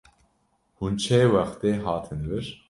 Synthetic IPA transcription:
hunt͡ʃʰeːwɛxt̪eːɦɑːt̪ʰɨnvɨɾ

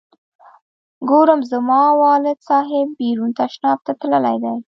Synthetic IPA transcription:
ɡoɾəmzəmɑwɑlɪd̪sɑɦɪbːiɾunt̪aʃnɑb̚t̪at̪ləla̰jd̪aj

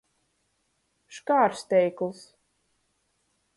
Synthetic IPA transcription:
ʃkaːɾst̪ʲɛjklˠs

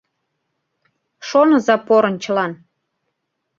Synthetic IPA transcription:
ʃonɤzɑpoɾənt͡ɕəlɑn

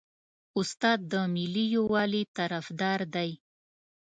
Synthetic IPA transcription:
ʊst̪ɑd̪̚ːəmɪlijowɑlit̪aɾafd̪ɑɾd̪aj

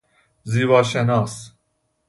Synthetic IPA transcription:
ziːvɑːʃenɑːs

